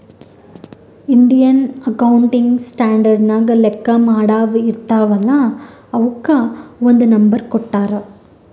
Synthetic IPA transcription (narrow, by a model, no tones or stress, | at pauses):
ɪɳɖɪjɐnɐkɐwʊɳʈɪŋɡsʈaːɳɖɐɾɖnaːɡɐlɛkːamaːɽaːʋɯɪɾɯt̪ːaːʋɐlːãːɐʋɯkːaɔnd̪ɐnɐmbɐɾkɔʈːaːɾɐ